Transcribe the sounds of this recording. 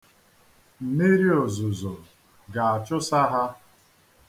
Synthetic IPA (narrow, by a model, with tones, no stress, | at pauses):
m̩˨me˦ɾi˦o˨zʊ˨zo˨ | ɡa˨a˨t͡ʃʊ˦sa˦ɦa˦